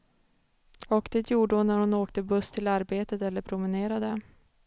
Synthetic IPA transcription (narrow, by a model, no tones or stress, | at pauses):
ɔkd̪̥eːt̪ʰjuːɖəhʊnæɾhʊnoːkt̪əbɵst̪ʰɪlaɾbeːt̪ət̪ɛlːəɾpʰɾʊmɪneːɾad̪ə